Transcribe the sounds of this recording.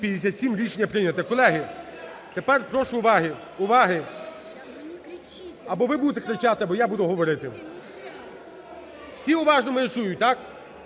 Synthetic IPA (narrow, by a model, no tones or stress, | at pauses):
pʲjɐd̪ʲesʲat̪ʲsʲimɾʲiʃenʲːɐpɾɪnʲɐt̪ɐkɔlˠɛɦɪ | t̪epɛrpɾɔʃʊʊʋɑɦɪ | ʊʋɑɦɪ | ɐbɔʋɪbud̪et̪ekɾet͡ʃat̪ɪɐbɔjabud̪ʊɦɔʋɔɾɪt̪ɪ | w̥sʲiʊʋɑʒnɔmʊɾet͡ʃujʊt̪ɑk